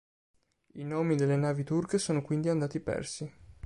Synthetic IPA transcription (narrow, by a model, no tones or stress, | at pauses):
inoːmid̪elːenaːvit̪urkesoːnokwind̪iand̪aːt̪ipɛ̰rsi